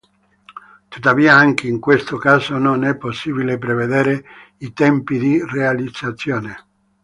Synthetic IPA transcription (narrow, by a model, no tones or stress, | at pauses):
t̪ut̪ːaviːaaŋk̟eiŋkwest̪okaːzononɛpːosːiːbilepɾeved̪eːɾe | it̪ɛmpid̪irealid̪z̥at̪sːjoːne